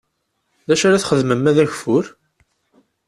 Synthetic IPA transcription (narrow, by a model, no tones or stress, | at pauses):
ðæʃaɾaθχəðməmæðæçfʊɾ